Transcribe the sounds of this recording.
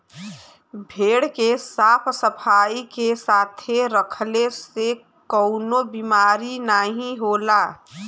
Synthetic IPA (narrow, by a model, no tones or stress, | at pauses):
bʱeːɽkesaːpʰsəpʰaːikesaːt̪ʰeɾəkʰlese | kɔʊnobimaːɾinaːɦĩɦoːlaː